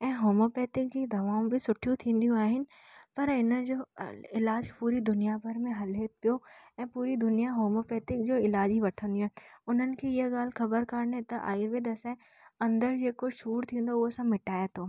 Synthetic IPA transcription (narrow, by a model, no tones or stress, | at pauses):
ɛ̃ːɦoːmoːpɛːt̪ɪk̚d͡ʒid̪ɐʋaːũbʱisʊʈʰijũt̪ʰĩːnd̪ijũaːɦɪn | pɐɾɪnd͡ʒoːɪlaːd͡ʒpuːɾid̪ʊnijabʱɐɾmẽɦɐlɦet̪̚pijoɛ̃ːpuːɾid̪ʊnijaɦoːmopɛːt̪ɪk̚d͡ʒoːɪlaːd͡ʒiʋɐʈʰə̃nd̪ijũɦɛʊnənkijeɡaːlkɐbəɾkəɾnẽt̪ɐʔa̰ːɪɾʋed̪ɐsɛɛ | ɐ̃nd̪əɾd͡ʒeːkoʃuːʈt̪ʰĩːnd̪oosɐmɪʈaːjet̪oː